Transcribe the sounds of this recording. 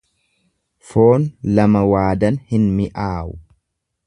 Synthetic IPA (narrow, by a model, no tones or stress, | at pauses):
fo̞ːnlɐmɐwaːd̪ɐnhɪnmɪʔaːʔʊ